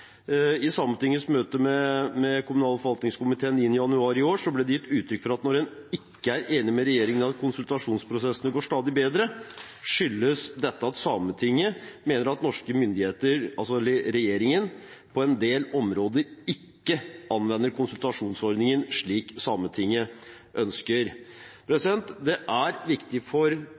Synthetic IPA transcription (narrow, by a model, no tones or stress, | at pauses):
ɪsɑːmət̪ɪŋːəsmøːt̪əmɛmɛkʰʊmʉnɑːlfʋɑlt̪nɪŋskʊmɪt̪ʰeːənɪnːɪjɑnʉɑːɾɪoːʂɔblɛd̪ɛjɪt̪ːʉːt̪ʰɾʏkfɔɾɑt̪nɔɾɛnɪkːəæɾeːnɪmɛɾɛjeːɾɪŋənɑt̪kʰʊnsʉlt̪ɑʂuːnspʰɾʊsɛsənəɡoːʂt̪ɑːd̪ɪbeːd̪ɾə | ʂʏlːəsd̪ɛt̪ːəɑt̪sɑmət̪ʰɪŋːəmeːnəɾɑt̪nɔʂkəmʏnd̪ɪheːt̪əɾɑlsɔɾɛjeːɾɪŋən | pʰɔɛnd̪eːlɔmɾoːd̪əɾɪkːəʔɑnʋɛnːəɾkʰʊnsʉlt̪ɑʂuːnsɔɾd̪nɪŋənʂɭiːksɑːmət̪ʰɪŋːə | ʔœnskəɾpʰɾɛsɪd̪ɛnt̪d̪ɛʔæɾʋɪkt̪ɪfɔɾ